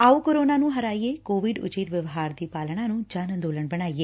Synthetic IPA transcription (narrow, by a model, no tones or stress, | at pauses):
aːukoɾoːnanũɦəɾaːiekoːʋɪɖʊ̰t͡ʃit̪ʋjəʋɦaːɾd̪iːpaːlɽ̃ãnũd͡ʒaːnə̃nd̪oːləɳbəɽ̃aːieː